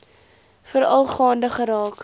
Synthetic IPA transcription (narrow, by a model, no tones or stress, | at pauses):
fəɾɐlˠχɑːndəχəɾɑːk